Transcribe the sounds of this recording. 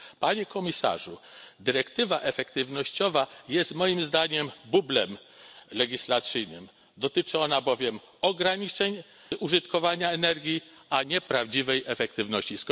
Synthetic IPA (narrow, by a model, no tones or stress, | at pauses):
paɲɛkɔmʲisa̰ʐud̪ɘɾɛkt̪ɘvaʔɛfɛkt̪ɘvnɔɕt͡ɕɔvajɛst̪mɔjimzd̪aɲɛmbublɛmlɛɡʲislat̪sɘjnɘ̰m | d̪ɔt̪ɘt͡ʂɘɔnabɔvʲjɛm | ɔɡɾaɲit͡ʂɛɲ | ʔuʐɘt̪kɔvaɲaɛnɛɾɡʲjiaɲɛpɾavd͡ʑivɛjʔɛfɛkt̪ɘvnɔɕt͡ɕisk